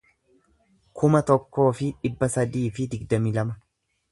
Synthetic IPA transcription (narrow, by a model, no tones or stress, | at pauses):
kʰʊmɐt̪ɔkːo̞ːfɪᶑɪbːɐsɐd̪iːfɪd̪ɪɡd̪ɐmilɐmɐ